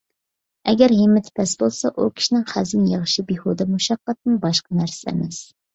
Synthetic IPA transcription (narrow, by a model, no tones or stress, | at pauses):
ɛɡʲæɾɦemɪt̪ʰpʰɛsbolˠsɑʔukʲʰi̥ʃinɪŋχæzɪnjeʁʃibehod̪ɛmuʃɑqːɑt̪̚nɨnbɑʃqɑnæɾsɛɛ̰mɛs